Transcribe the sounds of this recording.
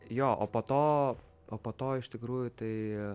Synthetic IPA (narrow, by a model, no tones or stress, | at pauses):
joːʔo̰ːpoːt̪oː | oːpoːt̪oːɪʃt̪ʲɪkɾuːjʊt̪ɐɪ